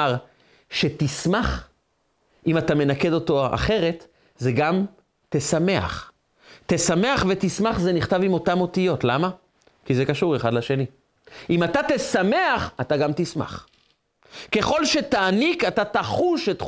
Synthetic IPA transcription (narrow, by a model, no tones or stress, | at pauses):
aʁ | ʃe̞tismaχ | imatame̞nake̞do̞to̞a̰χe̞ʁe̞t̪ | zeɡam | t̪esame̞a̰χ | tesame̞aχvet̪ismaχzeniχtavimo̞tamo̞tijo̞tlama | kizekaʃuʁe̞χadlaʃe̞ni | imatat̪esame̞aχataɡamt̪isma̰χ | ke̞χo̞lʃe̞taːnikatataχuʃet